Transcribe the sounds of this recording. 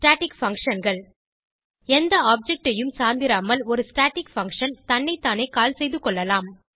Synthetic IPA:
sʈaːʈɪkfɐŋkʂɐnɡɐɭ | ɛnd̪ɐaːp̚d͡ʒɛk̚ʈɐjɯmsaːɾnd̪ɪɾaːmɐlɔɾɯsʈaːʈɪkfɐŋkʂɐnt̪ɐnːɐɪt̪ːaːnɐɪkaːlsɛjðɯkːɔɭːɐlaːm

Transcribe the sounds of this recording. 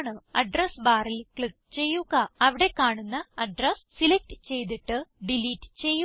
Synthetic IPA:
ɳɨɐɖrɐsbaːrilkɭik̚t͡ɕe̞jːuɣɐɐʋiɽe̞kaːɳunːɐɐɖrɐssilek̚ʈɨ̥t͡ɕe̞jt̪̬iʈːɨɖiliːʈːɨ̥t͡ɕe̞jːu

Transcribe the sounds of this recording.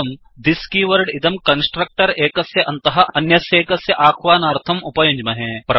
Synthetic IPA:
ɐm | d̪iskiʋɐɾɖɪt̪ɐmkɐnsʈɾɐk̚ʈɐɾeːkɐsjɐʔɐnt̪ɐɦɐ̆ɐnjɐsjeːkɐsjɐʔaːkʰʋaːnaːɾt̪ʰɐmupɐjɐɲd͡ʒmɐɦẽpɾɐ

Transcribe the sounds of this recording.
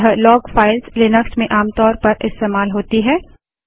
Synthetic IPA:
ɦlɔːɡfaːɪlslɪnəksmẽʔaːmt̪ɔːɾpɐɾɪst̪eːmaːlɦoːt̪iɦɛː

